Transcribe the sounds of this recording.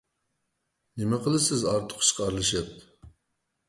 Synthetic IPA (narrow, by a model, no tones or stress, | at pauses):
nɪmɛqəlˠɨsɪzɑɾt̪ʰʊ̥qʰːʃqɑɾlˠɨʃɨt̪̚